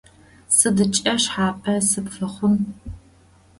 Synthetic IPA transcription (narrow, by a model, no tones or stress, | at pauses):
sɨdɨt͡ʃʼɐʃħaːpʼʰɐsɨpfɐχʷʊn